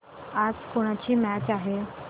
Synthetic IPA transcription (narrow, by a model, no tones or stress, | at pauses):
ad͡zkoɽ̃at͡ɕiːmæt͡ɕaɦe